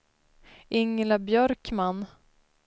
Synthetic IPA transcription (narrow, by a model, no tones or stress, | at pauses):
ʔɪŋːlabjœɾkman